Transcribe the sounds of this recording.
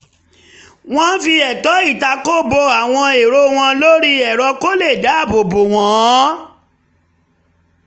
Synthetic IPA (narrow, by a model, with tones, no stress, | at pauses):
w̃ɔ̃˦n̩˦fi˧ɛ˨tɔ˨˦i˦˨ta˧ko˦bo˧a˨w̃ɔ̃˧e˨ɾo˧˦w̃ɔ̃˧lo˦ɾi˦ɛ˨ɾɔ˧ko˦le˦˨da˨˦˨bo˨bo˨w̃ɔ̃˨˦